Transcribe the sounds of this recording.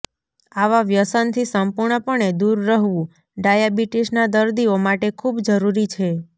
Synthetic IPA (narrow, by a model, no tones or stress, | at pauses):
aʋaʋjəsənt̪ʰisəmpuɾɳəpəɳed̪uɾːəɦʋũ | ɖajabiʈiʃnad̪əɾd̪iomaʈekʰubd͡ʒəɾuɾit͡ʃʰe